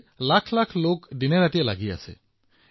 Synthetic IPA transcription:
lakʰlakʰlokɖineɾaʈielaɡia̰sɛ̰

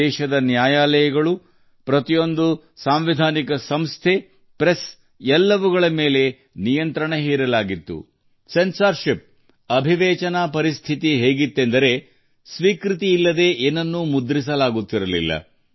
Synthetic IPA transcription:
ɛːʃɐd̪ɐnjaːjaːlɐjɐɡɐɭu | pɾɐt̪ijo̞nd̪u | saːmʋid̪ʱaːnikɐsɐmst̪ʰe | pɾes | ɛlːɐʋuɡɐɭɐmeːle̞ | nijɐnt̪ɾɐɳeɦiːɾɐlaːɡit̪ːṵ | sensɐɾʃip̚ | ɐbʱiʋɛːt͡ʃɐnapɐɾist̪ʰit̪iɦeːɡit̪ːend̪ɐɾe̞ | sʋiːkɾit̪iːlːɐd̪e̞ʔenːɐnːumud̪ɾis̬ɐlaːɡut̪ːiɾɐlḭlːɐ̰

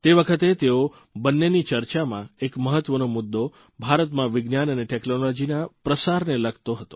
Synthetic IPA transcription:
t̪eʋəkʰət̪et̪eo | bənːenit͡ʃəɾt͡ʃamã̰ekməɦət̪ːʋənomʊd̪ːo | bʱaɾət̪mãʋɪɡnjanəneʈeknolod͡ʒinapɾəsaɾneləɡt̪oɦət̪o

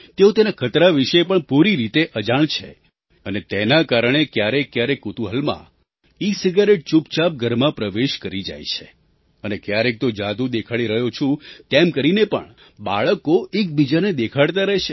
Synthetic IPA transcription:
t̪eõt̪enakʰət̪ɾaʋiʃepəɳpuɾiɾit̪eʔəd͡ʒaɳt͡ʃʰḛ | ənet̪enakaɾəɳ̃ekjaɾekːjaɾekːut̪uɦəlmã̰ | isiɡaɾeʈ̚t͡ʃupt͡ʃap̚ɡʱəɾmãpɾəʋeʃkəɾid͡ʒa̰jt͡ʃʰe̥ | ənekjaɾek̚t̪od͡ʒad̪ũd̪ekʰaɽiɾəɦjot͡ʃʰũt̪emkəɾinepə̰ɳ | ba̰ɭəkoek̚bid͡ʒaned̪ekʰaɽt̪aɾəɦet͡ʃʰe

